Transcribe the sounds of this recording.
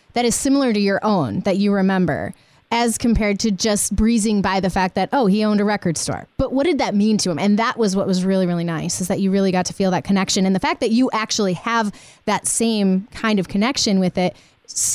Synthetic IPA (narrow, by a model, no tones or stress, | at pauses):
ðɨɾɨz̥sɪ̃ml̩ˠə˞ɾɨjə˞ʔõʊ̃nðɨt͡ʃɨɹɨmɛ̃mbə̰˞ | ɨz̥kʰɨ̃m̩pʰɛɹd̚tʰɨd͡ʒʌsb̥ɹizɪ̃ŋbaɪðɨfæk̚ðɨɾʔoʊiõʊ̃ndɨɹɛkə˞d̥stɔ̰ɹb̥ʌʔ̚wʌt̚d̥ɨd̪̚ðɨt̚mĩntʰɨɨ̃mɨ̃nðəʔwʌzwʌʔ̚wʌzɹɪlˠiɹɪlˠinaɪsɨzðɨt͡ʃɨɹɪlˠiɡɑtʰɨ̥filˠðɨt̚kʰɨnɛkʃɨ̃nɨ̃nðɨfæk̚ðɨt͡ʃɨʔæk̚t͡ʃul̩ˠiɨv | ðɨtsẽɪ̃mkʰãɪ̃ndʌv̥kʰɨnɛkʃɨ̃nwɪðɪt̚ | s